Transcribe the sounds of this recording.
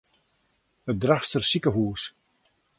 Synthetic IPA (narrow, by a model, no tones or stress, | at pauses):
ət̚draxstərsikəɦuəs